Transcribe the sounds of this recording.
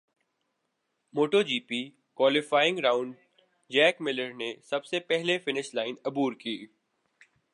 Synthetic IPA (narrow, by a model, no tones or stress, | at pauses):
moːʈoːd͡ʒiːpiː | kwaːlɪfaːɪ̃ŋɡɾaːʊ̃ɳɖ | d͡ʒɛːkmɪləɾnesɐbsepɛɦlefɪnɪʃlaːɪnɐbuːɾkiː